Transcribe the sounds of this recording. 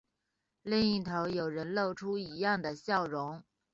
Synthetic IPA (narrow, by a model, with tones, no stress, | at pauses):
li˥˧ŋi˥˩t̪ʰo˧˥ʊjo˨˩ʊɻə˧˥nlo˥˩ʊʈ͡ʂʰu˥i˧˥jɑ˥˩ŋd̪ə˩ɕjɑ˥˩ʊɻʊ˧˥ŋ